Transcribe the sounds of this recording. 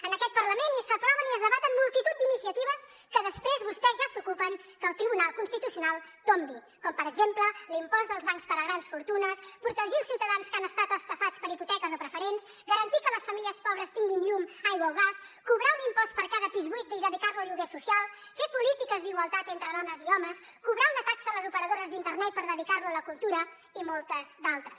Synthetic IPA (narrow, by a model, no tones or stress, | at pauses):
ənəkɛt̪̚pəɾləmenisəp̪ɾɔβəniəzðəβat̪əmːulˠt̪it̪ut̪̚d̪inisiət̪iβəs | kəðəspɾezβust̪ɛzʒasukupəŋ | kəlˠt̪ɾiβunalˠkunst̪it̪usiunalˠt̪ombi | kɔmpəɾəɡzempləlimpɔzd̪əlˠzβaŋspəɾəɣɾansfuɾt̪unəspɾut̪əʒilˠsiwt̪əðanskanəst̪at̪əst̪əfat͡spəɾiput̪ɛkəzopɾəfəɾens | ɡəɾənt̪ikələsfəmiliəspɔβɾəst̪iŋɡinʎumajɣwəwɣaskuβɾawunimpɔspəɾkaðəpizβuijt̪̚d̪iðəðikaɾluəʎuɣesusialˠ | fepulit̪ikəzd̪iɣwəlˠt̪at̪ent̪ɾəðɔnəziɔməs | kuβɾawnət̪aksələzupəɾəðoɾəzd̪int̪əɾnɛt̪̚pəɾðəðikarluələkulˠt̪uɾə | imɔlˠt̪əzd̪alˠt̪ɾəs